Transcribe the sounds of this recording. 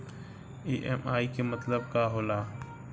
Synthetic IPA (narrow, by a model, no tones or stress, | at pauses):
eːʔɛ̰ːmaːiːkʰeːmət̪ləb̚kaːɦoːlaː